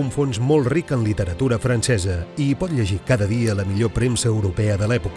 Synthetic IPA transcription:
uɱfonzmolˠt̪rikənlit̪əɾət̪uɾəfɾənsɛzəipɔt̪ʎəʒikaðəðiələmiʎopɾemsəːwɾupɛəðəlɛpuk

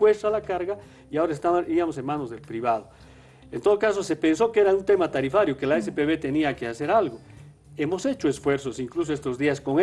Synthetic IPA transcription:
west̪alakaɾɣa | iao̞ɾaest̪aβaiamos̬e̞nmanozðelpɾiβað̞o | ent̪o̞ð̞okaso̞sepe̞nso̞keeɾaunt̪e̞mat̪aɾifaɾjokelaes̬epeβet̪e̞niakease̞ɾalɣo | e̞mose̞t͡ʃoesfwe̞ɾsosiŋklus̬oest̪ozðiasko̞ŋe

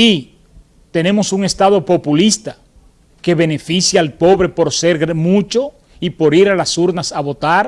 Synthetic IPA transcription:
i | t̪e̞ne̞mo̞suŋe̞st̪aðo̞po̞pulist̪a | ke̞βe̞ne̞fisjaalpo̞βɾe̞po̞ɾse̞ɾɣɾmut͡ʃo̞ | ipo̞ɾiɾalasuɾnasaβo̞t̪aɾ

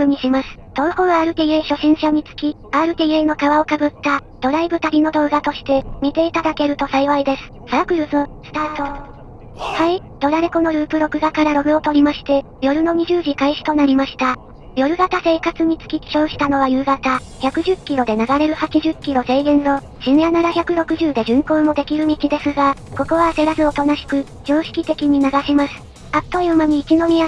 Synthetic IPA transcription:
ɯ̟ɲ̟iɕimasɨ̥t̪o̞ːhõ̞βaːɾɯ̟t̪eieɕo̞ɕĩɰ̃ɕaɲ̟it͡sɨ̥kʲi | aɾɯ̟t̪eieno̞kaβao̞kabɯ̟t̪ːad̪̥o̞ɾaibɯ̟t̪aɾʲino̞d̪o̞ːɡat̪o̞ɕi̥t̪e̞mʲit̪e̞it̪ad̪ake̞ɾɯ̟t̪o̞saiβaid̪e̞sɨ̥ | sakɯ̟ɾɯ̟sɨsɨ̥t̪aːt̪o | hai | d̪̥o̞ɾaɾeko̞no̞ɾɯ̟ːpɯ̟ɾo̞kɯ̟ɡakaɾaɾo̞ɡɯ̟o̞t̪o̞ɾʲimaɕi̥t̪e̞ | jo̞ɾɯ̟no̞ɲ̟iʑɨːʑikaiɕi̥t̪o̞naɾʲimaɕi̥t̪a | jo̞ɾɯ̟ɡat̪ase̞ːkat͡sɨɲ̟it͡sɨ̥kʲikʲi̥ɕo̞ːɕi̥t̪ano̞β̞ajɯ̟ːɡat̪a | çʲakɯ̟ʑɨkʲːiɾo̞d̪e̞naɡaɾe̞ɾɯ̟hat͡ɕiʑɨkʲːiɾo̞se̞iɡẽ̞nno̞ | ɕĩɰjananaçʲakɯ̟ɾo̞kɯ̟ʑɨːd̪e̞ʑɨ̃ŋko̞ːmo̞d̪e̞kʲiɾɯ̟mʲikʲid̪e̞sɨɡako̞ko̞βase̞ɾazɨo̞t̪o̞naɕi̥kɯ̟ | d͡ʑo̞ːɕi̥kʲit̪e̞kʲiɲ̟inaɡaɕimasɨ̥ | at̪ːoiɯmaɲ̟iːkʲino̞mʲia

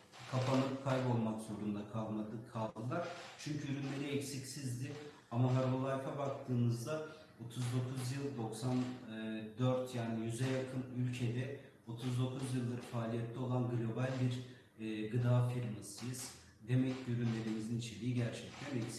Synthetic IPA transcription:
kʰapanɯkʰajbo̞lˠmakz̥o̞ɾund̪akʰaakʰalˠd̪ɯlˠaɾ̥t͡ʃʰyɲcʰyyɾynlʲe̞ɾiɛcsicsizd̪ɪ | amaɦaɾvolˠajfabak̚t̪ʰɯːnɯzd̪a | o̞t̪ʰuzd̪o̞kʰuzjɯlˠd̪o̞ksanːd̪øɾt̪jaːnijyzɛjakʰɯnylʲcʰe̞d̪ɛ | o̞t̪ʰuzd̪o̞kʰuzjɯlˠːɯɾfaːlʲijɛt̪ʰlːʲɛo̞lˠanɡlʲo̞balʲbiɾː | ɡɯd̪aːfiɾmasɯjɯz̥ | d̪e̞mɛcyɾynlʲe̞ɾimizinit͡ʃʰe̞lʲiːɟæɾt͡ʃʰɛc̚t̪ʰænɛcsi̥

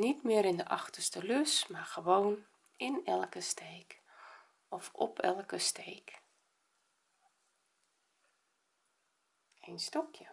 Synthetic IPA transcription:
nitmɪːəɾɪndəʔɑxtərstəløsmarxəʋoːn | ɪnɛlˠkəstʰeːk | ɔfɔ̰pʰɛ̰lˠkəsteːk | enstɔkjə

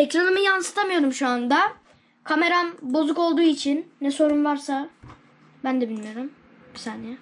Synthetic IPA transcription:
ecɾanɯmɯjansɯ̥t̪ʰamɯjo̞ɾumʃuand̪a | kʰame̞ɾanbo̞zuko̞lˠd̪uːit͡ʃʰinːɛso̞ɾumvaɾsa | bænd̪ɛbinʲmeɾɯm | sanːɛ

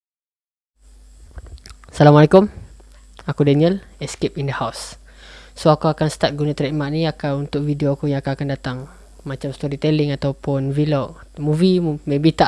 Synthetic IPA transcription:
salamalekʊm | akudaniəlɛskepindəhaws | soakuakanst̪at̪̚ɡunat̪əɾiʔmaʔniakaunt̪ʊk̚vidioakujaŋakaakandat̪aŋ | mat͡ʃamst̪oɾit̪ɛlɪŋat̪awpʊnviloʔmuvimebiht̪a

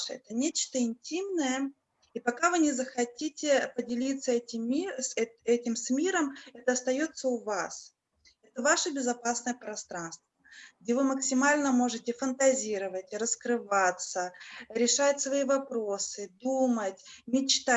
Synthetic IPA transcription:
ʂəɛ̰t̪ənʲet͡ɕt̪əɪnʲtʲimnəjə | ipɐkavɨnʲɪzəxɐtʲitʲɪpədʲɪlʲit̪sːəɛtʲɪmʲisɛɛtʲɪmsʲmʲiɾəmɛt̪əɐst̪ɐjo̞t̪səʊvas | ɛt̪əvaʂəbʲɪzɐpasnəjəpɾɐst̪ɾanst̪vəɡ̚dʲevɨməksʲɪmalʲnəmo̞ʐɨtʲɪfənt̪ɐzʲiɾəvətʲɾəskɾɨvat̪səɾʲɪʂajɪtʲsvɐivɐpɾosɨd̪umətʲmʲɪt͡ɕt̪a

